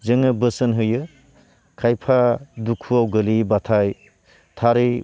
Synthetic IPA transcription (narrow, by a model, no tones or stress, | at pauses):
zɯŋɯbəsɯnɦɯjɯ | kʰajpʰadukʰuawɡɯlibatʰaj | tʰaɾɯ